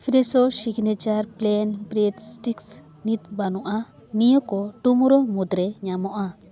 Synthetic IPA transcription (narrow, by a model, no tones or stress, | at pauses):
pʰɾɛsɔsiɡnɛt͡ʃaɾplɛnbɾedsʈiks | nit̪̚banɔʔa | nijɔkɔʈumuɾɔmud̪ɾɛɲamɔʔa